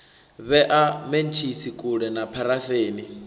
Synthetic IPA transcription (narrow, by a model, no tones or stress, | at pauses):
βɛʔament͡ʃʰisikʼuɺɛnapʰaɾaθeːni